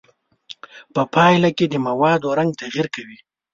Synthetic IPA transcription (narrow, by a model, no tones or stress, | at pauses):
pəpʰɑjlaked̪əmawɑd̪oɾaŋɡ̚t̪aɣiɾkawi